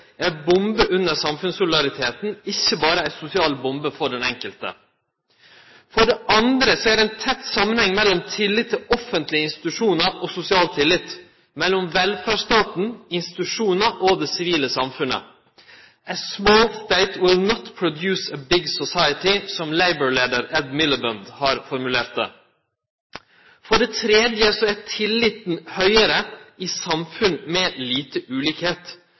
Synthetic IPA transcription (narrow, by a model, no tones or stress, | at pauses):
æbʊmbəʔʉnːəɾsɑmfʉnsʊlɪd̪ɑɾɪt̪ʰeːt̪n̩ɪçːəbɑːɾəæɪsʊsɪɑːlbʊmbəfɔɖɛnɛŋkəlt̪ə̰ | fɔɖɛʔɑnd̪ɾəsɔæd̪æɪnt̪ʰɛt̪ːsɑmːənhɛŋːmɛlːɔmt̪ʰɪlːɪt̪t̪ʰːɪɔfənt̪lɪəɪnst̪ɪ̥t̪ʉʂuːnɑɾʔosʊsɪɑːlt̪ʰːɪlːɪt̪ː | mɛlːɔmʋɛlfæʂt̪ɑːt̪n̩ɪnst̪ɪt̪ʉʂuːnɑʔoːd̪ɛsɪʋiːləsɑmfʉnə̰ | əsmoːlst̪eɪt̪wɪlnɔt̪pʰɹʊd̪jʉːsəbɪɡsɔsɑɪət̪ɪsɔmleɪbəɹleːd̪əɾɛd̪mɪləbənd̪hɑːɾfɔɾmʉleːɾt̪̚d̪ḛː | fɔɖɛt̪ʰɾɛːd̪jəsɔɛtʰɪlːɪt̪n̩hœʏəɾəiːsɑmfʉnmɛliːt̪əʔʉːliːkheːt̪